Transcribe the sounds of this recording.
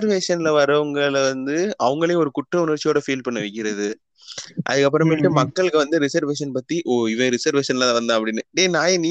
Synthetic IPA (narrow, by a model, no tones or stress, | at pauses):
ɐɾʋeːʂɐnɪlɐʋɐɾɐʋɐŋɡɐɭɐʋɐnd̪ɯɐʋɐŋɡɐɭeːɔɾɯkʊʈrɐʊnɐɾt͡ʃːɪjoːɽɐfiːlpɐɳːɐʋɛk̬ʲːɪɾɐðɯ | ʔɐ̰ðɯkːɐp̬ːɯɾɐmɪʈːɯmɐkːɐɭɯkːɯʋɐnd̪ɯɾɪsɐɾʋeːʂɐnpɐt̪ːiʔoɪʋɐ̃ːɾɪsɐɾʋeːʂɐnlaɐʋɐnd̪ãːɐp̬ːɐɽɪnːɯɖeːnaːjeni